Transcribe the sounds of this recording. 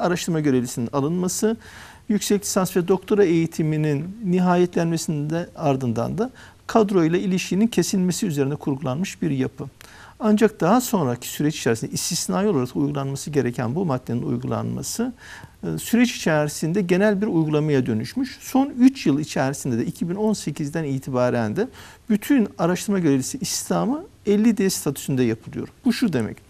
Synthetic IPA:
aɾaʃt̪ʰɯɾmaɟø̞ɾe̞vlʲisininalˠɯnmasɯ | jycsɛclʲi̥sansvɛd̪o̞kt̪ʰo̞ɾaejit̪ʰimininːiɦaːjɛt̪ʰlʲænmesind̪ɛaɾd̪ɯnd̪a̰nd̪a | kʰad̪ɾo̞jlˠailʲiʃcʰinincʰe̞sime̞siyze̞ɾind̪ɛkʰuɾɡulˠanmɯʃbiɾjapʰɯ | and͡ʒak̚d̪̥aɦaso̞nɾacʰi̥syɾɛt͡ʃi̥t͡ʃʰɛɾsind̪ɛist̪ʰisnaːjolˠaɾak̪ujɡulˠanmasɯɟe̞ɾecʰæ̰nbumad̪ːeninṵjɡulˠa̰nma̰sɯ | syɾɛt͡ʃi̥t͡ʃʰæɾisind̪ɛɟe̞nælʲbiɾujɡulˠamajad̪ø̞nyʃmyʃso̞nyt͡ʃjɯlˠit͡ʃʰɛɾisind̪ɛd̪ɛicʰibino̞nse̞cʰizd̪æniːt̪ʰibaːɾænd̪ɛbyt̪ʰynaɾaʃt̪ʰɯɾmaɟøɾelʲisiʔist̪ʰamɯɛlʲːid̪est̪ʰat̪ʰu̥synd̪ɛjapʰɯlˠɯjo̞̰ɾb̥uʃud̪e̞mɛ̰c

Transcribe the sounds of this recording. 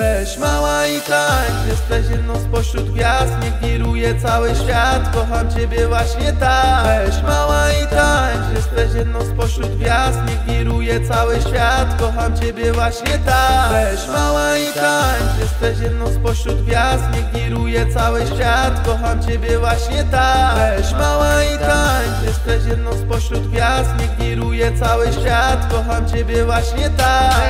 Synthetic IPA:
mawait̪aɲjɛst̪ɛɕjɛd̪nɔ̃spɔɕɾud̪ɡʲjazd̪ɲɛkʲiɾujɛsawɘɕfʲjat̪kɔxamt͡ɕɛbʲjɛvwaɕɲɛt̪aɕmawaik̪aɲʒɛst̪ɛɕjɛd̪nɔ̃w̃spɔɕɾud̪vʲjazd̪ɲɛkʲiɾujɛt̪sawɘɕfʲjat̪kɔxamt͡ɕɛbʲjɛvwaɕɲɛt̪a | awaikaɲɲɛst̪ɛɕjɛd̪nɔ̃w̃spɔɕɾut̪vʲjasɲikʲiɾujɛsawɘɕfʲjat̪kɔɦamt͡ɕebʲjɛvwaɕɲɛt̪amawaikaɲɲ | ɛst̪ɛɕjd̪nɔ̃w̃spɔɕɾut̪vʲjasɲɛkʲiɾujɛt̪sawɘɕfʲjat̪kɔɦamt͡ɕebʲjɛvwaɕɲɛt̪a

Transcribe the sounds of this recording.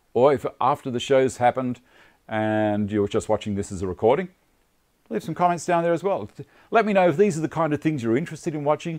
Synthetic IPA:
ə˞ɨfʔæftə˞ðɨʃoʊz̥hæpə̃nd | ʔɨ̃njə˞d͡ʒʌst̚wɑt͡ʃɪ̃ŋðɪsɨzəɹɨkʰɔɹɾɪ̃ŋ | liv̥sʌ̃mkʰɑmɛ̃ntsd̥ãʊ̃nðə˞ɨzwɛlˠ | lɛt̚minoʊɨfðizə˞ðɨkʰãɪ̃ndʌv̥θɪ̃ŋzjə˞ɪ̃nt͡ʃɹ̥ɨstɨɾɨ̃nwɑt͡ʃɪ̃ŋ

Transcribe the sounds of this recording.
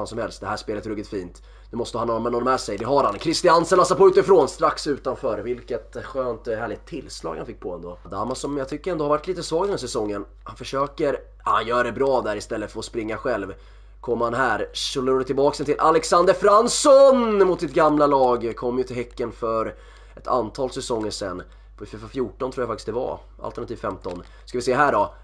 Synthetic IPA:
ansɔmhɛlst̪d̪ɛɦæːʂpeːlət̪ɾɵɡɪt̪fiːnt̪ | nʉmɔst̪əhanːɔmɛnɔnɔmɛsɛjd̪ɛɦaɾhankʰɾɪst̪ɪansənlasapʰɔʉːt̪ɪfɾoːnst̪ɾaksʉ̟ːt̪anfœːɾvɪlkət̪ɧøːnt̪hæːɭɪɡt̪ʰːɪlːslɑ̰ːɡhanfɪk̚ːpʰɔɛ̰nd̪oːd̪aːmːasɔmjaɡt̪ʰʏkːəɾɛnohaɾvaʈliːt̪əsvɑːɡd̪næːʂɛsɔŋːən | hanfœʂøːkəɾ | ha̰njœːɖɛbɾɑːd̪æɾɪst̪ɛlːəfœɾɔspɾɪŋːaɧɛlv | kʰɔmːhanɦæːɾʂɵlːəɾoːd̪ət̪ɪlbɑːksɛnt̪ʰɪlʔalɛksand̪əɾfɾansɔnmʊt̪sɪt̪̚ɡamlalɑːɡkʰɔmːjɵt̪ʰɪlhɛkːənfœɾ | ʔɛt̪ʰa̰nt̪ʰɑːlsɛsɔŋːəʂɛ̰nː | pʰɔfyːvafjuːʈɔnʰɾuːjafakt̪ɪ̥st̪d̪ɛva̰ | ʔa̰lt̪əɳat̪iːvfɛmt̪ɔn | skavɪseːɦæːɖɔ

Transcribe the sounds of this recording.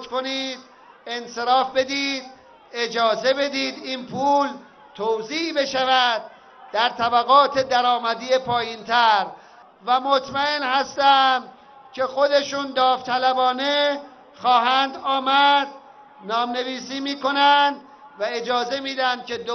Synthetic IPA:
ko̞niːd̪̥ | e̞nse̞ɾɒːfbe̞d̪iːd̪ | e̞d͡ʒɒːze̞be̞d̪iːd̪iːnpʰuːl | t̪ʰowziːʔbe̞ʃævæd̪̚ː | æɾt̪ʰæbæɣɒːt̪ʰe̞d̪æɾɒːmæd̪ijepʰɒːjiːnt̪ʰæɾ | væmot̪ʰmæenhæst̪æm | cʰe̞xo̞d̪e̞ʃund̪ɒːft̪ʰælæbɒːne̞ | xɒːɦænd̪ɒːmæd̪ | nɒːmne̞viːsiːmiːko̞nænd̪ | væe̞d͡ʒɒːze̞miːd̪ænd̪̥̚cʰe̞d̪o

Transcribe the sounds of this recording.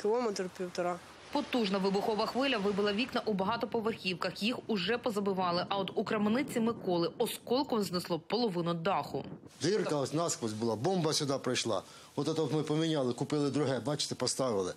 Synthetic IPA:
kɪlˠɔmɛt̪ɾpʲiwt̪ɔɾɑ | pɔt̪uʒnɐʋɪbʊxɔʋɐxʋɪlʲɐʋɪbɪlˠɐʋʲiknɐʔubɐɦɑt̪ɔpɔʋerxʲiwkɐxjixʊʒɛpɔzɐbɪʋɑlˠɪʔɐɔt̪ukɾɐmnɪt͡sʲimɪkɔlˠɪɔskɔlʲˠkɔznɪslˠɔpɔlˠɔʋɪnʊd̪ɑxʊ̰ | d̪ɪrkɐɔsʲnɑskʋɔzʲbʊlˠɑbɔmbɐsʲʊd̪ɑpɾɪjʃlˠɑ̰ | ɔt̪ɛt̪ɔpmɪpɔmʲinʲɑlˠɪkʊpɪlˠɪd̪ɾʊɦɛbɑt͡ʃɪ̥t̪ɛpɔst̪ɑʋɪlˠɪ

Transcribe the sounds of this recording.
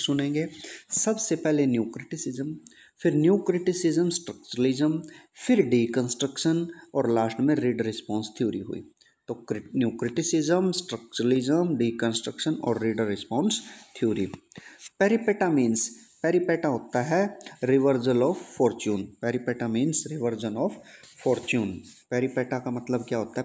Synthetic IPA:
sʊnẽːŋɡeːsɐbsepɛɦlenjuːkɾɪʈɪsɪzəm | fʰɪɾnjuːkɾɪʈɪsɪzəmsʈɾək̚t͡ʃəɾəlɪzəmfʰɪɾɖiːkə̃nsʈɾəkʃənɔːɾlaːʃʈmẽɾiːɖɾɪspɔ̃ːnst̪ʰjoːɾḭɦṵḭː | t̪oːnjuːkɾɪʈɪsɪzəmsʈɾək̚t͡ʃəɾəlɪzəmɖiːkə̃nsʈɾəkʃənɔ̰ːɾːiːɖəɾːɪspɔ̃ːnst̪ʰijoːɾipɛːɾipɛːʈamĩːnspɛːɾipɛːʈaɦoːt̪aɦɛɾɪʋəɾd͡ʒəlɔːffɔːɾt͡ʃjuːnpɛːɾipɛːʈamĩːnsɾɪʋəɾd͡ʒənɔːffɔːɾt͡ʃuːnpɛːɾipɛːʈakamɐt̪ləbkjaːɦoːt̪aɦɛ

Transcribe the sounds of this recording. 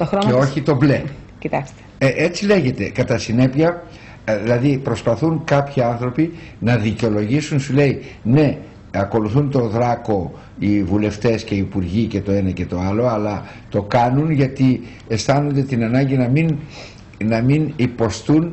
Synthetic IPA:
t̪oxɾoeo̞çit̪o̞ble | cit̪ɐkst̪e̥eʔe̞t͡sile̞ʝe̞t̪e̞kɐt̪ɐsine̞piɐ | ðilɐðipɾo̞spɐθunkɐpçiɐnθɾo̞pi | nɐðiceo̞lo̞ʝisunsule̞ine̞ | ɐko̞luθunt̪o̞ðɾɐko̞ | ivule̞ft̪e̞sce̞iːpuɾʝice̞t̪o̞e̞nɐce̞t̪o̞ɐlo̞ɐlɐ | t̪o̞kɐnunʝɐt̪i | e̞st̪ɐno̞nd̪e̞t̪inɐnɐɲɟinɐmin | nɐminipo̞st̪un

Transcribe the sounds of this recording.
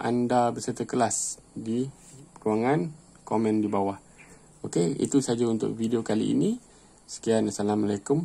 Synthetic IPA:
ʔa̰ndabəsərt̪əkəlasdi | kuwaŋan | komɛ̃ndibawah | okeḭt̪usad͡ʒaunt̪ʊ̰k̚vidiokalḭḭnĩ | sə̥kianasalamalekʊm

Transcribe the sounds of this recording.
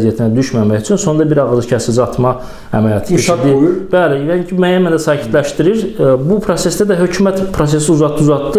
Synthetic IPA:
zijæt̪ʰinæd̪yʃmæmæçyt͡ʃʰynso̞ndɑbiɾɑɣɯzɯcʰæsid͡ʒɑt̪ʰmɑ | æ̰mæljɑt̪ʰɯeʃd̪ib̥ælijɑincʰimæjænmænd̪æsɑːcʰi̥t̪læʃt̪iɾiɾbupʰɾo̞se̞sd̪æd̪æɦø̞cʰumæt̪pʰɾo̞s̬e̞s̬iuzɑt̪ːuzɑt̪ːɯ

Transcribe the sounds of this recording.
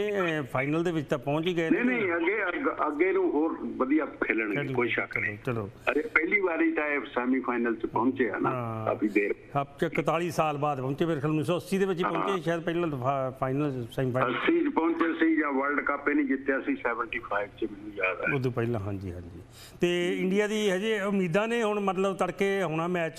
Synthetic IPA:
ẽpʰaːɪnəld̪eːʋɪt͡ʃt̪ãːpɔ̃ːɲt͡ʃiːɡəeːnineĩəɡeːəəɡeːnũːoːɾʋəd̪ijaːkʰeːləɳɡlkoːiʃəkʰəeoːt͡ʃəloːəɾeːpɛːliːbaːɾiːt̪ãesɛːmĩːpʰaːɪnəlt͡ʃəpɔ̃ʊnt͡ʃeːɛ̰ːnaa̰pĩːd̪eːɾ | at͡ʃəkət̪aːɽiːsaːlbaːd̪pɔ̃ːnt͡ʃeːpeɾkʰlnːsɔːəsiːd̪eːʋɪt͡ʃipɔ̃ːt͡ʃeːʃaːəd̪̚pəɪlãːpʰaːɪnəlsɛːmipʰaəsĩːt͡ʃpɔ̃ʊɲt͡ʃesĩːd͡ʒãːʋəɾlɖkapeːnĩːd͡ʒ̪ɪt̪ːejaəsĩːsɛːʋəɳʈiːpʰaːɪbt͡ʃmɪ̃nːũːd͡ʒaːd̪aod̪ũːpəilãːɦãːɲd͡ʒḭːɦãːd͡ʒiː | t̪eːɪɳɖijaːd̪iːɦɛd͡ʒiʊmiːd̪ãːneːɦʊɳmət̪ləbt̪əɽkeːɦʊɽ̃aːmɛːt͡ʃ

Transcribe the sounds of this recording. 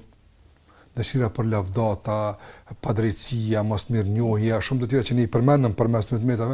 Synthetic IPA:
nəʃiɾapəɾlavd̪at̪apad̪ɾɛjt̪siamɔsmiɾɲɔɦjaʃumt̪ət̪̬iːɾat͡ɕəniipəɾmɛnənpəɾmɛsmɛt̪mɛt̪a

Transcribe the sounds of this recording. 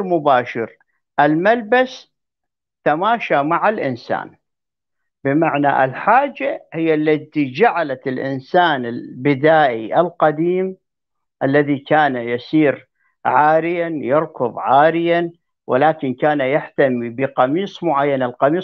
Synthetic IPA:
ɾmʊbaːʃɪɾ | ʔɪlmalbas | t̪amaːʃamaʕalʔɪnsa̰ːn | bɪmaʕna̰ʔɪlħaːd͡ʒːahɪjːalːat̪id͡ʒaʕalaɪlʔɪ̰nsaːnɪlbɪd̪aːʔiʔɪlqɑd̪iːm | ʔalːaðikaːnajasiːɾ | ʕaːɾɪjanjɨɾkʊðˤʕaːɾɪjan | wʔɪ̰laːkɪnkaːnajaħt̪amibɪqɑmiːsˤmʊʕajːanalqɑmiːs

